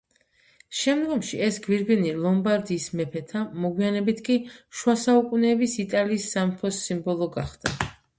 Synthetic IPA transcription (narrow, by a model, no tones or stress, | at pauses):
ʃɛmd̪ɡɔmʃiɛsɡwiɾɡinilˠɔmbaɾd̪iːsmɛpʰɛt̪ʰamɔɡwianɛbit̪ʰkʼiʃwasaukʼunɛːbisit̪ʼaliːsːampʰɔsimbɔlˠɔɡaχd̪̥a